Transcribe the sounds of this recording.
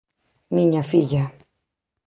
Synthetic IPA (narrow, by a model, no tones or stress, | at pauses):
miɲafiʎa